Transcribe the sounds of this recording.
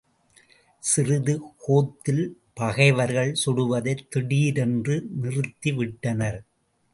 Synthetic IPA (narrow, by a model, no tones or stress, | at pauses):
sɪrɯðɯkoːt̪ːɪl | pɐɣɐɪʋɐɾɣɐɭsɔɽɯʋɐðɐɪt̪ːɪɽiːɾɛndrɯnɪrɯt̪ːiʋɪʈːɐnɐɾ